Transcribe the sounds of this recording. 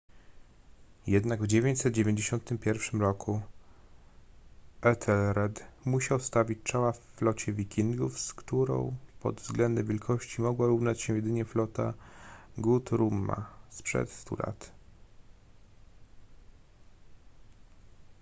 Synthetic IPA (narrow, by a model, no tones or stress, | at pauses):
jɛd̪naɡvd͡ʑevʲjeɲt͡ɕsɛt̪̚d͡ʑevʲeɲd͡ʑeɕɔnt̪ɘmpʲjɛɾfʂɘmɾɔkʰu | ɛt̪ʰɛlɾɛt̪muɕawst̪avʲit͡ɕt͡ʂawafːlɔt͡ɕɛvʲikʲiŋɡufskt̪uɾɔ̰̃w̃pɔ̰d̪vzɡlɛnd̪ɛmvʲjɛlkʰɔɕt͡ɕimɔɡwaɾuvnat͡ɕɕɛjɛd̪ɘɲɛflɔt̪a̰ɡut̪ɾumːa̰spʂɛ̰t̪st̪ṵlʔa̰t̪